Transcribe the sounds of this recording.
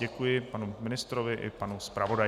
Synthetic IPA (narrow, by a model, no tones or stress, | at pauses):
ɛkujɪpanumɪnɪst̪ɾovɪʔɪ̰panuspɾavo̞da